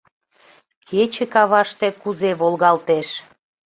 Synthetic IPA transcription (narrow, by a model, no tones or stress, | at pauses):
kʰet͡ɕəkɑβɑʃt̪ekuzeβolɣɑlt̪eʃ